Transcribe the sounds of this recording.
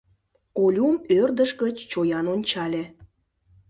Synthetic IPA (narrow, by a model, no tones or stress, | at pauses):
olʲumørd̪əʃɡət͡ɕt͡ɕojɑnonʲt͡ɕɑlʲĕ